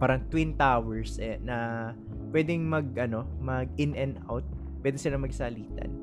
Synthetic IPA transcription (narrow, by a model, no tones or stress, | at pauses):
paːɾɐŋt̪wɪnt̪awɛɹsɛnɐ | pwɛːd̪ɛŋmɐɡ̚ʔɐno̞mɐɡ̚ɪnɛnd̪ʔa̰wt̪̚ | pwɛd̪ɪsɪlaŋmɐɡsaliːt̪ɐ̰n